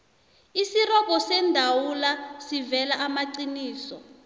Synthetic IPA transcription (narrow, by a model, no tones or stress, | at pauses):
isirɔk̬ʼɔsɛndʱawulasivɛlaʔamaǀiniːsɔ